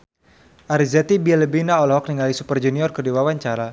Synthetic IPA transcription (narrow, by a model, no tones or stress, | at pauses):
ʔaɾizat̪ibialəbinaɔlhɔk̚niŋalisupərd͡ʒuniɔrkərdiwawaɲt͡ʃaɾa